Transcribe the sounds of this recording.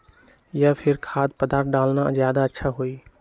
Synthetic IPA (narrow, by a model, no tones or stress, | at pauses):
japʰɪɾkʰaːd̪̚pəd̪aːɾt̪̚ɖaːlnazjaːd̪aətːʃʰaɦoiː